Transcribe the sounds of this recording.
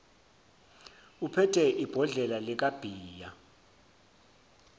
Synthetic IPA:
upʰɛtʰɛʔib̥ʱɔɮɛlalɛk̬ab̥ʱiːja

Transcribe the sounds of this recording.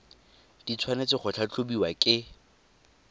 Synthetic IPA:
d̥it͡sʰwanet͡sɪχʊt͡ɬʰat͡ɬʰobiwakʼɪ

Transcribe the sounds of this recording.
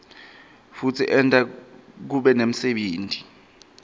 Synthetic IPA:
futʰiʔɛntʼak̬uɓɛnem̩seɓeːnti̥

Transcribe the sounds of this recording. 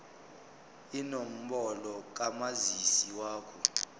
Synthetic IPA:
inom̩bɔlɔk̬amazisiwaːkʰɔ

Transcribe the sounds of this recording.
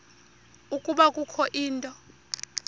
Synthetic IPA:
ukʼuɓakʼukʰɔʔiːntʼɔ

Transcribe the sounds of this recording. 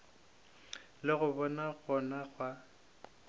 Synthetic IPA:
lɪɣʊbɔnaɣɔnaɣwa

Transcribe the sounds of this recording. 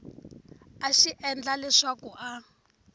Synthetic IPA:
aʃiʔɛnd͡ɮalɛʂakuʔa

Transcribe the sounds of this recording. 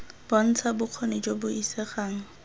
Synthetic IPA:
b̥ɔn̩t͡sʰabʊq͡χʰɔned͡ʒobʊisɛχaːŋ̩

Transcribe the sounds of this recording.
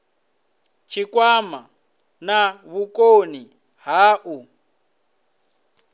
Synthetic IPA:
t͡ʃʰikwama | naβukʼoni | ɦaːʔu

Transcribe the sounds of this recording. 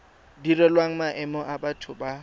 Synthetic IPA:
dirɛlwaŋ̩maʔɛmɔʔabatʰʊba

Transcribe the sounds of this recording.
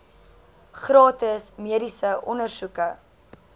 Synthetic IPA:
χrɑːtəsmiədisəʔɔnərsukə

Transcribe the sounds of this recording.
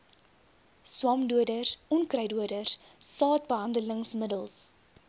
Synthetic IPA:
swɑmduədərɔnkrɐjduədərsɑːt̚bəɦɐndələŋsmədəlˠs

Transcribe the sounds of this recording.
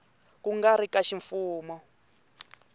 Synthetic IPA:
kuŋɡaɾikaʃiɱfuːmɔ

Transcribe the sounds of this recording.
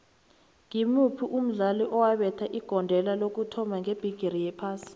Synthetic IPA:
ŋimupʰiʔum̩ɮaliʔɔwaɓɛtʰaʔiɡ̥ʱɔndʱɛlalok̬utʰɔmaŋʱeb̥ʱiɡ̥ʱiɾijɛpʰaːsi̥

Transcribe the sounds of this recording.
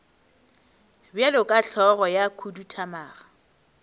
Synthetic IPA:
bjalʊkʼaɬʰɔɣɔjakʰudutʰamaːɣa

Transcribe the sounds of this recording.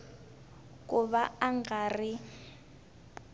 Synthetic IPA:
kʼuβaaŋɡari

